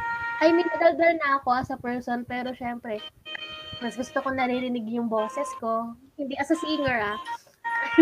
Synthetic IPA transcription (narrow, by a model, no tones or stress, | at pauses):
ʔɐjmɐjnɐd̪ɐld̪ɐɾnɐʔɐko̞ʔɐsɐpɛɹso̞npɛːɾo̞ʃɛmpɾɛ | mɐsɡʊst̪okonɐɾiɾɪnɪɡjʊŋbo̞ːsɛsko̞hɪnd̪iʔɐsɐsiːŋɛɹa